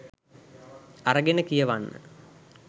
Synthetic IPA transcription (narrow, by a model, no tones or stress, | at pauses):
aɾəɡenəkijəʋanːə̰